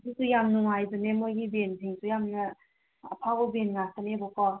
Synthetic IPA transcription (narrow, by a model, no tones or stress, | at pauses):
sʰisujamnuŋajzɯnemojɡibensʰiŋsʰujamnɯ̰ː | pʰabɔbenŋasanebɔkɔ